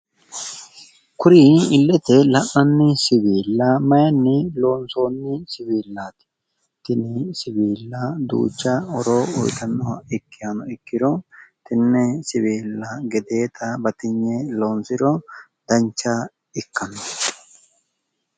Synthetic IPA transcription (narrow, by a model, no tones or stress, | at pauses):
kʊɾiːɪlːɛt̪ɛlɐʔɐnːɪsɪbiːlːɐmɐjɐnːɪlo̞ːnso̞ːnːɪsɪbiːlːaːt̪ɪ̥ | t̪ɪnɪsɪbiːlːɐd̪ṵːt͡ʃːɐɔɾoːɔ̰jt̪ɐnːɔɪkːɪjɐnɔɪkːɪɾɔt̪ɪnːɛsɪbiːlːɐɡɛd̪e̞ːt̪ʰɐbɐt̪ɪɲːɛlo̞ːnsɪɾɔ | d̪ɐɲt͡ʃːɐ | ɪkːɐnɔ